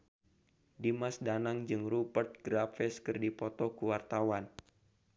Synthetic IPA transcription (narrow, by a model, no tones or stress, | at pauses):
dimasdanaŋd͡ʒɨŋrubərt̪̚ɡ̥ɾafɛskɨrdipɔt̪ɔkuwart̪awan